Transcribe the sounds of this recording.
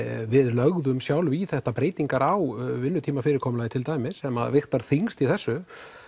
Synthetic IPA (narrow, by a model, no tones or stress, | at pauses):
vɪðlœɣðʏmsjawlviθɛht̪apɾeːjt̪iŋkaɾawvɪnːʏt̪ʰiːmafɪɾɪɾkʰɔːmlajɪt̪ʰɪlt̪aːjmɪ̥sɛma̰ðvɪxt̪aɾ̥θiŋst̪iθɛsːʏ